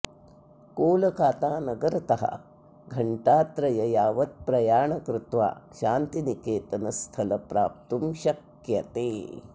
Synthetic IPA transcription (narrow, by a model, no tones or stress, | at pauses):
koːlɐkaːt̪aːnɐɡɐɾɐt̪ɐɦɐ̰ | ɡʱɐɳʈaːt̪ɾɐjɐjaːʋɐt̪̚pɾɐjaːɳɐkɾɪt̪ʋa̰ːʃaːnt̪inikeːt̪ɐnɐst̪ʰɐlɐpɾa̰ːp̚t̪umʃɐk | jɐt̪eː